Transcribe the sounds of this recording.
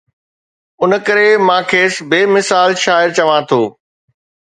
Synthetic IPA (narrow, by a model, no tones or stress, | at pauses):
ʊnə̆kɐɾemãːkʰeːsbeːmɪsaːlʃaːɪɾt͡ɕɐʋãt̪ʰoː